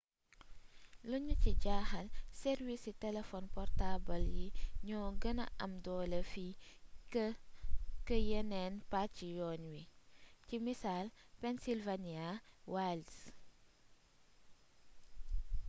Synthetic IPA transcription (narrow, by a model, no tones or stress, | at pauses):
luɲuciɟaːxɐlsɛɾwisitɛlɛfɔnpɔrtabɐljiɲɔːɡɐnɐ̰ʔɐmdɔːlɐfi | kəjɛnɛnpatːijɔːnwicimisaːlpɛnsilvaniawals